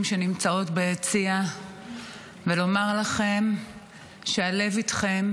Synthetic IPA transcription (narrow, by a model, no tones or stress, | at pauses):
mʃe̞nimt͡sao̞tbeet͡sia | velo̞maʁlaχe̞m | ʃeale̞vit̪χe̞m